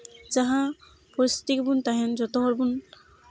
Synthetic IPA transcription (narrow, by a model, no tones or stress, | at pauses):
d͡ʒaɦã | pɔɾist̪i̥t̪ikbunt̪aɦɛnd͡ʒɔt̪oɦɔɾbun